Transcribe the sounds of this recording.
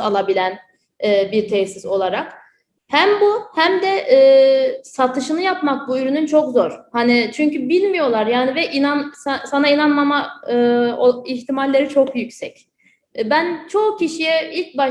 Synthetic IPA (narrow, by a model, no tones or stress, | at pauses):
alˠabilʲæn | ɛːbiɾt̪ʰɛsiso̞lˠaɾak | hæmbuhæmd̪ɛʔːsat̪ʰɯʃɯnɯjapmak̚buyɾynynt͡ʃʰo̞kzoɾ̥hanit͡ʃʰyɲcybilʲmijo̞lˠaɾjaːnivɛʔinansasanainanmamaɯoiçt̪ʰimalʲːe̞ɾit͡ʃʰo̞kjycsɛc | bænt͡ʃʰo̞cʰiʃijɛilʲc̚ba